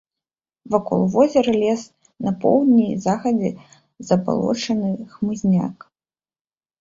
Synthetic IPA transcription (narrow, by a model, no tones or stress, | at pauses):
vakɔ̰lˠvɔzʲɛɾɐlʲɛs | nɐpɔ̰wd̪ʲnʲizaxɐd͡zʲɛ | zɐba̰lˠɔ̰t͡ʂɐnɨxmɨzʲnʲa̰k